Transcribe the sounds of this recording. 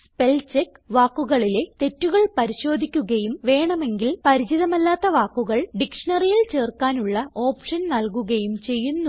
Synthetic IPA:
spe̞lt͡ɕekː | ʋaːkːuɣɐɭile̞t̪e̞tːuɣɐɭpɐɾiɕo̞ːd̪ʱikʲːuɣɐjumʋe̞ːɳɐme̞ŋɡilpɐɾit͡ɕiðɐmɐlːaːt̪ːɐʋaːkːuɣɐɭɖikʂɐɳɐrijilt͡ɕe̞ːrkaːnuɭːɐo̞ːpʂɐnnɐlkuɣɐjumt͡ɕe̞jːunːu

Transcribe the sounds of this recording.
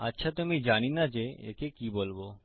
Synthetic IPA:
atːɕʰat̪umid͡ʑaɽ̃inad͡ʑeḛkekibolbo

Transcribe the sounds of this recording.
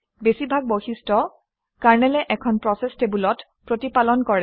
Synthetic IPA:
besibʱaɡ̚boxistɔ | kaɹnɛlɛʔɛkʰɔnpɹɔsɛstebulɔt | pɹotipalɔnkɔɹɛ

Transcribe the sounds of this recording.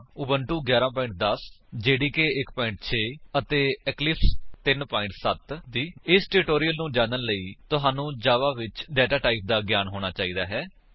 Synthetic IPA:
ʊːbəɳʈuːɡjaːɾãːp̬ɔːɪ̃ɳʈ̚d̪əsd͡ʒeːɽiːkeːɪkpɔːɪ̃ɳʈ̚t͡ʃʰeːət̪eːɛklɪpst̪ɪnpaːɪ̃ɳʈsət̪d̪iːɪsʈeɾɪʈoːɾijəlnũːd͡ʒãːnənləiːt̪ʊɦaːnũːd͡ʒaːʋaːʋɪt͡ʃɖɛːʈaːʈaːip̚d̪aːɡjaːnɦoːɽ̃aːt͡ʃaːiːd̪aːɦɛː

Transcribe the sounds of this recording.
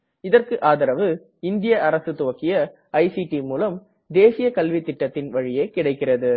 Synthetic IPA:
ɪðɐrkɯʔaːðɐɾɐʋɯ | ɪnd̪ɪjɐʔɐɾɐsɯt̪ʊʋɐkːɪjɐ | ɐɪsiʈimuːlɐm | d̪eːsɪjɐkɐlʋit̪ːɪʈːɐt̪ːɪnʋɐɻɪjeːkɪɽɐɪkːɪrɐðɯ

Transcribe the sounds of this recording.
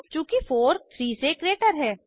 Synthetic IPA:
t͡ʃũːkifoːɾt̪ʰɾiːsekɾeːʈəɾɦɛː

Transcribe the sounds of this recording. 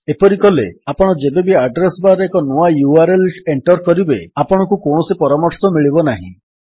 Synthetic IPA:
epɔɾikɔlḛapɔɽ̃ɔd͡ʒebebiaɖɾesbaɾeekɔnuajuaɾeleɳʈɔɾkɔɾibeapɔɽ̃ɔkukoɳ̃ɔsipɔɾamɔɾsɔmiɭibɔnaɦḭ̃

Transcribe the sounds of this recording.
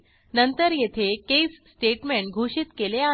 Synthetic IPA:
nənt̪əɾjet̪ʰekesːʈeʈmeɳʈɡʱuɕiːt̪kelea

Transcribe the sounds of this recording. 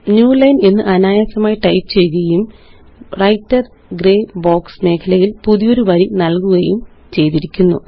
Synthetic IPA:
njuːlɐjnenːɨʔɐnaːjɐsɐmaːjiʈɐjpt͡ɕe̞juɣɐjum | rɐjtːɐr | ɡreːbo̞ːksme̞ːkʰɐlɐjilpuðijo̞ɾuʋɐɾinɐlkuɣɐjum | t͡ɕe̞jt̪iɾikʲːunːṵ

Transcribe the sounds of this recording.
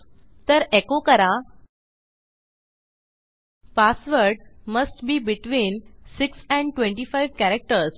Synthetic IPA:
t̪əɾekokəɾa | pasʋəɾɖməsʈbiːbiʈʋĩːnsiksɛ̃ɳɖʈʋẽɳʈifajʋkæɾək̚ʈəɾs

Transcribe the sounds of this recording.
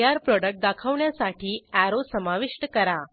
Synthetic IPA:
jaɾpɾɔɖək̚ʈ̚d̪akʰəʋɳjasaʈʰiːæɾosəmaʋiʂʈəkəɾa

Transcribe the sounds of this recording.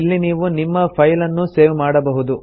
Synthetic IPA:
ilːiniːʋunimːɐpʰɐjlɐnːuse̞ːʋmaːɽɐbɐɦud̪u

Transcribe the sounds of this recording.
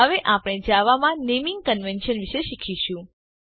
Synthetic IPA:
ɦəʋeʔapɽ̃ed͡ʒaʋamãnemĩŋɡ̚kənʋenʃənʋiʃeʃikʰiʃũ

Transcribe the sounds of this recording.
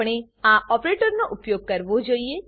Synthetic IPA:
ɽ̃e | aʔɔpɾeʈəɾnoʔupjoɡ̚kəɾʋod͡ʒoie

